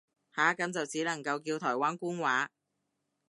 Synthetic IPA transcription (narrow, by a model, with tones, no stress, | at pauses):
haː˨˥kɐ˨˥mt͡sɐ˨wt͡siː˨˥lɐ˨˩ŋkɐ˧wkiː˧wt̪ʰɔː˨˩jwaː˦˥nkuː˥nwaː˨˥